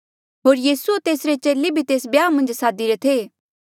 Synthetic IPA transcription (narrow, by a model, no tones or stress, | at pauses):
ɦoːɾjiːsuet̪eːsɾet͡ʃeːlebʱit̪eːs̬bjaːmɐ̃nd͡ʒsaːd̪iɾet̪ʰe